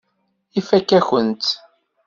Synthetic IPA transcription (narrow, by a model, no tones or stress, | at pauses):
ifækːæçənt̪